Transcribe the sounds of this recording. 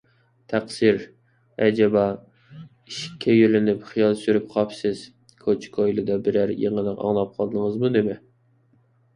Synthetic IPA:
t̪ʰæqsiɾ | ɛd͡ʒɛbɑ | iʃkʲʰːɛjølɪnypχijɑlˠsyɾypqʰɑpsɪz̥ | kʰot͡ʃʰkʰojlˠɨd̪ɑbɪɾæɾjḛŋənɨqɑ̰ŋlˠɑp̚qʰɑlˠd̪əŋəzmud̪ɪmɪ

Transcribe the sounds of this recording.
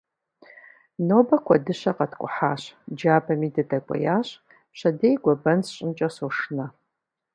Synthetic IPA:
noːbɐkʷʰɐdɨɕɐqɐtʰkʷʼʊ̰ħaːɕd͡ʒaːbɐmiːdɐdɐkʷʼɔ̰jaːɕʼ | ɕɐdejɡʷɔbɐnsɕʼɪnt͡ʃʼɐsoːʂɨnɐ

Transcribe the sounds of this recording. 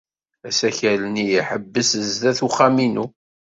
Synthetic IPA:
æsæçælənijiħəbːəsəzðæθuχːaminu

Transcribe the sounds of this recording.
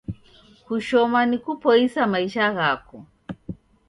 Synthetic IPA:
kuʃɔmanikupɔisamaiʃaɣakɔ

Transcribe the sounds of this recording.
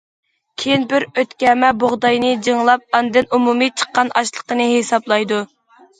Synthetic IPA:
kʲʰejinbɪɾøt̪kʲɛmɛboʁd̪ɑjnɨd͡ʒiŋlˠɑp̚ɑnɨd̪ɨnumumit͡ʃʰə̥qːɑnʔɑʃlˠəqənɨhesɑblˠɑjd̪u

